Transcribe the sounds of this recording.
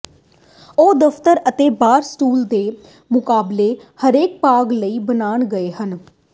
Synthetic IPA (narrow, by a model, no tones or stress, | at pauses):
oːd̪əft̪əɾət̪eːbaːɾsʈuːld̪eː | mʊkaːbleːhəɾeːk̚paːɡləiːbənaːɳɡəeːɦən